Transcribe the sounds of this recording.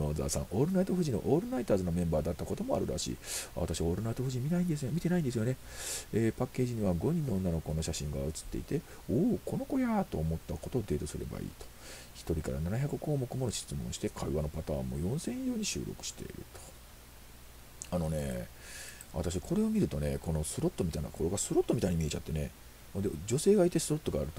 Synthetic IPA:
noːza̰ːsã̰ŋ̃ʔo̞ːɾɯ̟nait̪oɸɯ̟ʑino̞̰ʔoːɾɯ̟nait̪aːzɨnomẽ̞mbaːd̪at̪ːako̞t̪o̞mo̞a̰ɾɯ̟ɾa̰ɕḭːaβa̰t̪aɕiβaoːɾɯ̟nait̪o̞ɸɯ̟ʑimʲinaĩnd̪esɨomʲit̪e̞naĩnd̪s̬ɨjo̞ne̞eːpakːe̞ːʑiɲ̟iβaɡo̞ɲ̟ĩnːo̞onːano̞ko̞no̞ɕaɕĩŋɡaɯ̟t͡sɨ̥t̪ːe̞̰it̪e̞ | oːkʰo̞no̞ko̞jat̪o̞ːmo̞t̪ːako̞t̪o̞ːd̪e̞ːt̪o̞sɨɾe̞̰ba̰ḭːt̪o̥ | çi̥t̪o̞ɾʲikaɾa̰nanaçʲakɯko̞ːmo̞kɯ̟monoɕi̥t͡sɨmõ̞ɰ̃ɕi̥t̪e̞kʰaiβano̞pat̪aːmːo̞̰jõ̞ɰ̃sẽ̞ɰ̃jo̞ːɲ̟iɕɨ̰ːɾo̞̰kɯ̟̥ɕi̥t̪e̞̰ḭɾɯ̟̰t̪o̥ | ano̞ne̞ | βa̰t̪aɕ̬ikʰo̞ɾe̞o̞mʲiɾɯ̟t̪o̞ne̞ko̞no̞sɨɾo̞t̪ːo̞mʲit̪aina̰ko̞ɾoɡasɨɾo̞t̪ːo̞mʲit̪aiɲ̟imʲie̞t͡ɕat̪ːe̞ne̞̰ | hond̪ed͡ʑo̞se̞ːɡait̪e̞sɨɾo̞t̪ːo̞ɡaːɾɯ̟t̪o

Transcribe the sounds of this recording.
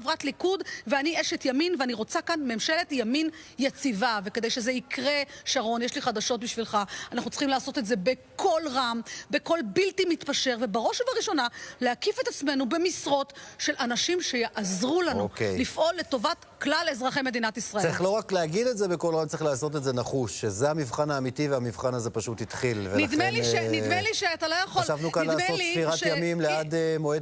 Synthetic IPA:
vʁatlikudveanieʃetjaminveaniʁo̞t͡sakanmemʃeletjaminjat͡sivaveked̪ejʃe̞zeikʁe̞ʃaʁo̞njeʃliχad̪aʃo̞t̚biʃvilχaanaχnut͡sχimlaːso̞tetze̞be̞kʰo̞lʁambe̞ko̞lbiltimit̪paʃe̞ʁve̞baʁo̞ʃevaʁiʃo̞naleakifetat͡sme̞nube̞misʁo̞tʃe̞lʔanaʃimʃe̞jaʔazʁulanuokejlifʔo̞lːe̞to̞vat̪ | klalezʁaχejme̞d̪inatisʁaʔeʁiχlo̞ʁakleaɡid̪etze̞beko̞lʁamt͡sʁiχlaːso̞t̪̬etze̞naχuʃːezehamivχanaːmitiveamivχanaze̞paʃut̪it̪χilvenid̪eliʃenimeliʃeat̪alojaχoalʃavnukanlaːmseotliiʁatʃjamimlead̪emoed

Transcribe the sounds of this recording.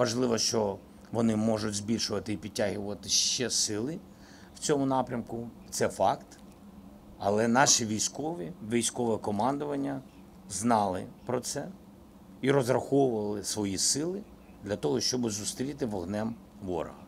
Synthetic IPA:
ʋɐʒlˠɪʋɔʃt͡ʃɔ | ʋɔnɪmɔʒʊdʲzbʲilʲʃʊʋɐt̪ɪipʲid̚ʲtʲːaɦɪʋɐt̪ɪʃt͡ʃɛsɪlˠɪ | wt͡sʲɔmʊnɑpɾʲɐmkʊ | t̪sɛfɑkt̪ | ɐlˠɛnɑʃiʋʲijsʲkɔʋiʋʲijsʲkɔʋɛkɔmɑnd̪ʊʋɐnʲːɐ | znɑlˠɪ̰pɾɔt̪sɛ | iɾɔzɾɐxɔwʊʋɐlˠɪsʋɔjisɪlˠɪ | d̪lʲɐt̪ɔɦɔʃt͡ʃɔbɪzʊst̪ɾʲit̪ɪʋɔɦnɛm | ʋɔ̰ɾɔ̰ɦɐ

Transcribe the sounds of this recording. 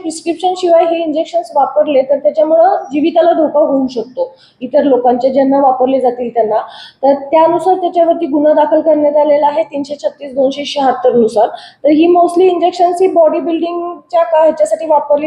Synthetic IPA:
pɾiskɾipɕənɕiʋajɦeiɲd͡ʑekɕənsʋapəɾlet̪əɾt̪jat͡ɕjamuɭəd͡ʑiʋit̪alad̪ʱokaɦounɕək̚t̪o | it̪əɾlokãɲt͡ɕed͡ʑanːaʋapəɾled͡zat̪iːlt̪anːat̪əɾt̪jaənusaɾt̪jat͡ɕjaʋəɾt̪iːɡunad̪akʰəlkəɾɳjat̪alelaaɦet̪iːnɕet͡ɕʰət̪ːiːsd̪onɕeikɕeɦat̪ːəɾnusaɾt̪əɾɦiːmosʈliːɲd͡ʑekɕənsɦiːbɔɽibilɖiŋɡt͡ɕjakaɦt͡ɕjasaʈʰiːʋapəɾle

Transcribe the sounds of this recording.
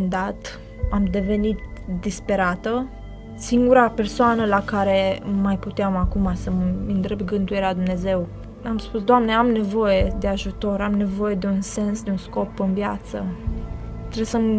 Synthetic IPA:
nd̪at̪ | amd̪e̞ve̞nit̪d̪ispe̞ɾat̪ə | siŋɡuɾape̞rsoanəlakaɾe̞majput̪eamakumasəmɨnd̪ɾebɡɨnd̪ujeɾead̪umne̞ze̞w | amspus̬d̪oamne̞amne̞vo̞je̞d̪e̞aʒut̪o̞ɾamne̞vo̞je̞d̪e̞unse̞nsd̪eunsko̞pɨnvjat̪sə | t̪ɾesəm

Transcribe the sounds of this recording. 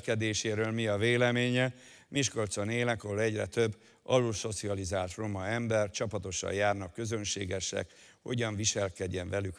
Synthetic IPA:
kɛd̪eːʃeːɾøːlmiɒveːlɛmeːɲɛ | miʃko̞lt̪so̞neːlɛko̞lɛɟrɛ̰t̪øbː | ɒluso̞t̪siɒlizaːlt̪ro̞mɒɛmbɛrt͡ʃɒpɒt̪o̞ʃɒ̰jaːrnɒkːø̞zø̞nʃḛːɡɛʃɛ̰k | ho̞̰ɟɒɱviʃɛlkɛɟːɛɱvɛlyk

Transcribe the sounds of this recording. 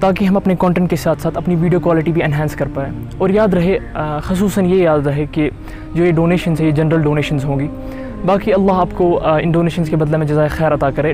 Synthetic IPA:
t̪aːk̬iɦɐmɐpnekɔ̃ːɳʈɛ̃ɳʈ̚kesaːt̪ʰsaːt̪ʰɐpniʋiːɖijoːkwaːlɪʈibʱiɛnɦɛ̃ːnskɐɾpaːeː | ɔːɾjaːd̪ɾɐɦexʊsuːsənjejaːd̪ɾɐɦeke | d͡ʒoːeɖoːneːʃənzɦɛjed͡ʒɐnɾəlɖoːneːʃənzɦõːɡiː | baːkiɐlːaːɦaːpkoɪ̰nɖoːneːʃənzkebɐd̪lemẽd͡ʒɐzaːexɛːɾɐt̪akɐɾẽː

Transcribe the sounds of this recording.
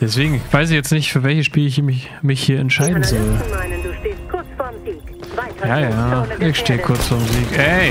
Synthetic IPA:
d̥ɛsv̥eːɡŋ̩v̥aɪs̬ɪçjɛt͡stnɪçtfyːɐvɛlçəsʃpiːlɪçç | mɪçhiːɐɛntʃaɪdn̩zɔlː | kʰʊt͡sfɔiː | jaːjaːʔɪçʃteːəkʰʊɐt͡sfɔːɐmziːkɛ

